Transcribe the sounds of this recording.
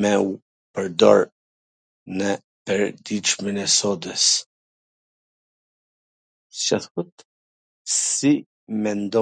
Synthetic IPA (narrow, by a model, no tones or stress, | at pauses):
mɛu | pəɾd̪ɔ̰ɾ | nə | pɛɾd̪it͡ʃminɛsɔd̪əs | st͡ʃaθwut̪ | si | mɛnd̪ɔ